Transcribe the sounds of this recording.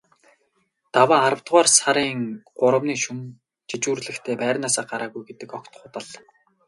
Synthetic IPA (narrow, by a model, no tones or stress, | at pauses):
t̪awaːaɾə̆wt̪ʁwaːrsaɾiːŋɢʊɾə̆mniːʃun | t͡ɕit͡ɕuːrɮɘ̆xt̪ʰeːpæːrʲnaːsaːɢaɾaːɣujɡet̪ɘ̆kɔkt̪χʊːt̪ə̆ɮ